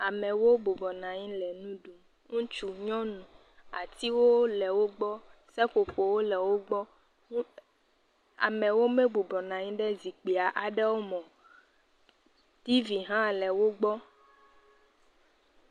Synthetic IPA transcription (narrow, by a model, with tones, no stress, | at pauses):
a˨mɛ̃˨wo˦bu˨bɔ˨nã˨ɲĩ˦lɛ˨nũ˦ɖu˨m | ŋũ˦t͡ʃu˨ɲɔ̃˦nũ˨ | a˨t̪i˦wo˦lɛ˨wo˦ɡ͡bɔ˦sɛ˦ko˨ɸo˨wo˦lɛ˨wo˦ɡ͡bɔ˦ | a̰˨mɛ̃˨wo˦mɛ˦bu˨bɔ˨nã˨ɲĩ˦ɖɛ˦zi˨k͡pi˨a˨ʔa˨ɖɛ˦wo˦mɔ̃˨ | t̪i˦vi˨ɦã˦lɛ˨wo˦ɡ͡bɔ˦